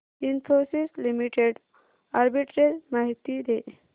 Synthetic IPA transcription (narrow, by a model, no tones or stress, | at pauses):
infʰosislimiʈeɖ | aɾbiʈɾeɾmaɦit̪id̪e